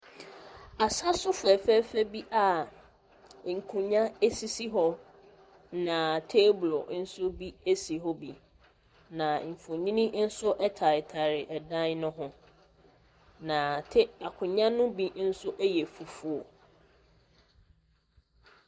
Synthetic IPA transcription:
a˨sa˦sʊ˦fɛ˨fɛ˦fɛ˦bi˦ʔa˨ | ŋ̩˨kʰʊ̃˨ɲã˦e˦si˦si˦ɦɔ˦ | nã˨tʰeː˦blo˨n̩˦sʊ˦bi˦e˦si˨ɦɔ˦bi˨ | nã˨m̩˨fũ˨ɲĩ˦nĩ˦n̩˦sʊ˦ʔɛ˦tʰa˨ɪ˨tʰa˨ɾɪ˨ʔɛ˨dã˦n˦nʊ̃˦ɦʊ̃˦ | nã˨tʰɪ˦a˨kʰʊ̃˨ɲã˦nʊ̃˦bi˨n̩˦sʊ˦ʔɛ˦jɛ˨fu˨fu˦ɔ˨

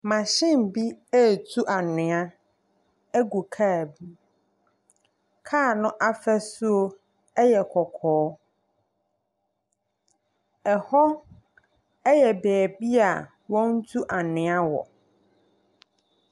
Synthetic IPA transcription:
mã˨ɕɪ̃˦m˨bi˦ɛ˦˨tʰu˦ʔa˨nɪ̃˨a˦ | ɛ˦ɡu˨kʰa˦˨bi˦ | kʰa˦˨nʊ̃˦ʔa˦fɛ˦sʊ˦o˦ | ɛ˦jɛ˨kʰɔ˨kʰɔː˨˦ | ɛ˨hɔ˦ | ɛ˦jɛ˨bɛː˨bi˦a̰˨ | wɔ̃˦n˦tʰu˦ʔa˨nɪ̃˨a˦wɔ̰˨

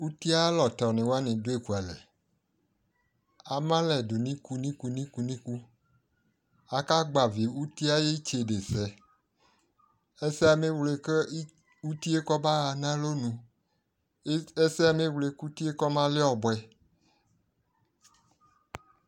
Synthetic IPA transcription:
u˦t̪i˦a˦lɔ˨t̪ɔ˨nẽ˨wo˦a˦nẽ˨do˦e˨ku˨a˨lɛ̰˨ | a˨mã˦lɛ˨do˨nĩ˦ku˦nĩ˦ku˨nĩ˦ku˨nĩ˦ku˦ | a˨ka˦ɡ͡ba˨vi˨u˦t̪i˦a˦je˦t͡ʃe˨ɖe˨sɛ˨ | e˦se˦a˨me˦wle˨ke˦ | u˦t̪i˦e˦kɔ˦ba˦ɣa˨nã˦lo˦nũ˨˦ | e˦sɛ˦a˨mẽ˦wle˦ku˦t̪i˦e˦kɔ˦mã˦le˦ɔ˨bo˨ɛ˨

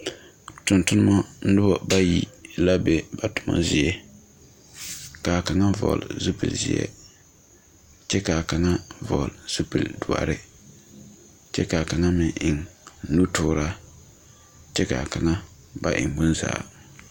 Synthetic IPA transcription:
tʊ˨ntʊ˦nɨ˦ma˦n̩˦dʊ˦bɔ˨ba˦ji˨la˦be˦ba˨tʊ̥˨mɔ̰˦zɪ˨ɛ˦ | ka˨ka˨ŋa˦vɔ̰˨lzu˦pḭ˨lzɪ̰˦ɛ̰˦ | t͡ʃɛ˦ka˨ka˨ŋa˦vɔ˨lz̥u˦pi˨ldʊ˨a̰˨ɾɪ˦ | t͡ʃɛ˦ka˨ka˨ŋa˦mɪ˨ʔɪ˨ŋnu˦tʊː˦ɾa˦ | t͡ʃɛ˦ka˨ka˨ŋa˦ | ba˦ʔɪ̰˨ŋbʊ˦nza̰ː˨

